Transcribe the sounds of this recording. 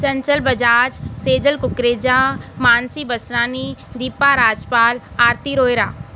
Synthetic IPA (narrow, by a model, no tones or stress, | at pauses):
sɐɲt͡ʃəlbɐd͡ʒaːd͡ʒseːd͡ʒəlkʊkɾeːd͡ʒaːmaːnsibəsɾaːnid̪iːpaɾaːd͡ʒpaːl | aːɾt̪iɾoːjɾaː